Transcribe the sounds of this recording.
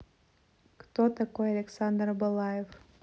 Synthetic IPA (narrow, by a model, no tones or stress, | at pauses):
kt̪ot̪akojɐlʲeksand̪rbɐlˠɑjef